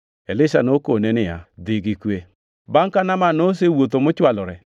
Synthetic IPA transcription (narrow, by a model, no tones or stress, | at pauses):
elɪʃa̰nokonenɪja̰d̪ɪɡikwe | baŋkanamanos̬ewot̪omʊt͡ʃwalɔɾɛ